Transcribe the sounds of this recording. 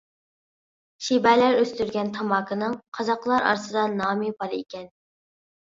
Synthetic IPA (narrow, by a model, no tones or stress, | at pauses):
ʃibɛlæɾøst̪yɾɡʲɛnt̪ʰɑmɑːkʰɨnɨŋqʰɑzɑqlˠɑɾɑ̰ɾsɨd̪ɑnɑːmɨbɑɾḛkʲɛn